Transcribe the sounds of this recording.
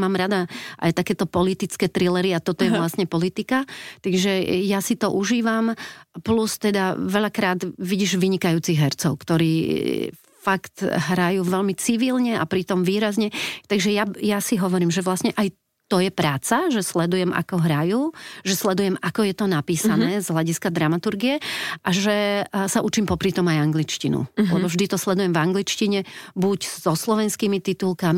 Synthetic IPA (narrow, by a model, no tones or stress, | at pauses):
maːmɾad̪aʔa̰jt̪akɛːt̪ɔpɔlit̪it͡skɛːt̪ɾilɛɾiat̪ɔt̪ɔjɛʋlasɲɛpɔlit̪ikat̪aɡʒɛjasit̪ɔʔuʒiːʋamplust̪ɛd̪aʋɛʎakɾaːd̪ʋiɟiːʒʋiɲikajuːt͡siɣɦɛɾt͡sɔʊkt̪ɔɾiː | fakt̪ɦɾajuːʋɛʎmit͡siʋilɲɛa̰pɾit̪ɔmʋiːɾazɲɛt̪aɡʒɛjajasiɦɔʋɔɾiːmʒɛʋlasɲɛʔaj | t̪ɔjɛpɾaːt͡saʒɛslɛd̪ujɛmʔa̰kɔɦɾajuːʒɛslɛd̪ujɛmakɔjɛt̪ɔnapiːsanɛːzɦlaɟiskad̪ɾamat̪uɾɡiɛʔaʒɛsaʔut͡ʃimpɔpɾit̪ɔmajaŋɡlit͡ʃcinṵlɛbɔvʒd̪it̪ɔslɛd̪ujɛmvaŋɡlit͡ʃciɲɛbuɟz̥ɔslɔʋɛnskiːmit̪it̪ulˠkami